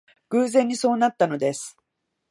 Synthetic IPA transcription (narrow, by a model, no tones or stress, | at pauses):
ɡ̥ɯ̟ːzẽ̞ɲ̟ːiso̞ːnat̪ːano̞d̪e̞sɨ̥